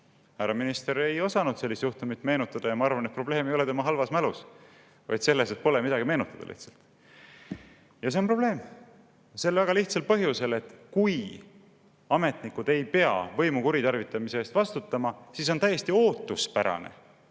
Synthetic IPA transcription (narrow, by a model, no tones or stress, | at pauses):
hæɾɑminist̪eɾe̞jo̞sɑnud̪̥se̞lːist̪juht̪umit̪me̞ːnut̪ːˑɑd̪̥ɑjɑmɑɑɾvɑnet̪̚pro̞ble̞ːmejo̞le̞t̪e̞mɑɦɑlvɑsmælus | vɑ̰jd̪̥se̞lːese̞t̪̚po̞lemid̪̥ɑɡ̥ime̞ːnut̪ːˑɑd̪ɑ̰lḭht̪sɑ̥lt̪ | jɑs̬e̞onpro̞b̥le̞ːm | se̞lvæɡ̥ɑliht̪sɑlpɤɦjuse̞le̞t̪ːkuj | ɑme̞t̪nikːud̪e̞jpe̞ɑ̰vɤ̞jmukuɾit̪ɑrvit̪ːˑɑmise̞eːst̪vɑst̪ut̪ːˑɑmɑsiːs̬o̞nt̪æjːe̞st̪io̞ːt̪ːˑuspæɾɑ̰ne̞̰